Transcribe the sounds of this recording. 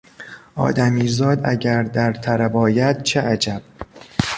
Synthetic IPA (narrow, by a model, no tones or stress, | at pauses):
ʔɒ̰ːd̪æmiːzɒːd̪æ̰ɟæɾd̪æɾt̪ʰæɾæbɒːjæd̪̥̚t͡ʃʰeʔæd͡ʒæb̥̚